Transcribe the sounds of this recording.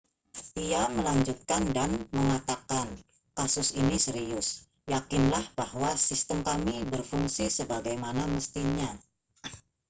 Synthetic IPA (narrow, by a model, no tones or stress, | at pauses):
diaməlaɲd͡ʒut̪̚kandanməŋat̪akan | kasʊsinisəɾiʊs | jakɪnlahb̥ahwasist̪əmkamibərfuŋsisəbaɡajmanaməst̪iɲa